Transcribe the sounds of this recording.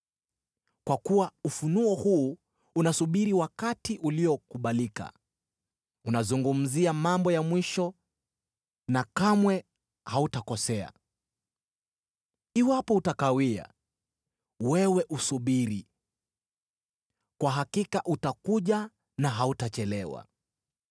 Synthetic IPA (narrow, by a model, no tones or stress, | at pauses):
kwakuwaufunuɔhuː | unasuɓiɾiwakatiʔuliɔkuɓalika̰ | unazuŋɡum̩ziamambɔjamwiʃɔ | nakamwɛ | hautakɔsɛa̰ | iwapɔutakawia̰ | wɛwɛʔusuɓiɾi | kwaɦakikaʔutakuʄa | naɦautat͡ʃɛlɛwa̰